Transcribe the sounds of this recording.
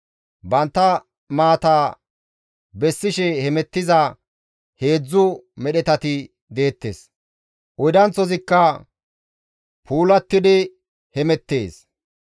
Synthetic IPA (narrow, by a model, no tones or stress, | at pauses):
bɐnt̪ːɐ | maːt̪aː | bɛsːɪʃɛhɛmɛt̪ːɪzɐ | he̞ːd͡zːʊmɛɗɛt̪ɐt̪ɪ | d̪e̞ːt̪ːḛs | ʔɔjd̪ɐnt͡sɔzɪkːɐ | pʰuːlɐt̪ːɪd̪ɪ | hɛmɛt̪ːe̞̰ːs